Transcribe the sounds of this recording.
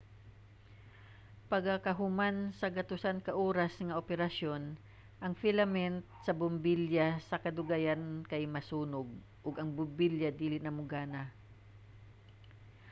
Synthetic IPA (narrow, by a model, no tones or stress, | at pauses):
pɐɡakɐɦʊmansɐɡɐt̪ʊsankɐʔoːɾɐsŋɐʔopɛɾɐʃo̞n | ʔɐŋfɪlɐmɛnt̪̚sɐbʊmbɪljasɐkɐd̪ʊɡajankɐjmɐsuːnʊɡ̚ | ʔʊɡɐŋbʊmbɪljad̪iːlɪnɐmʊɡaːna